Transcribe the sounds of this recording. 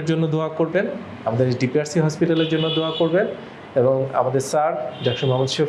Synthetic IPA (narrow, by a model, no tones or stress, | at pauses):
ɾd͡ʑonːod̪oakoɾben | amad̪eɾeɖipiaɾsiɦɔspiʈaleɾd͡ʑonːod̪oakoɾben | eboŋa̰mad̪eɾsaɾd̪ɛkʃobʱamot̪ʃo